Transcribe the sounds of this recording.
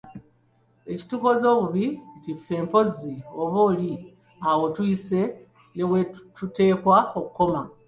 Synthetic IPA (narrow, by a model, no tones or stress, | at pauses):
e̞ci̥tuko̞zo̞ːβuβicifːe̞ːmpo̞zio̞βo̞ːli | awo̞tuise̞ | ne̞wetute̞ːkwaokuko̞ma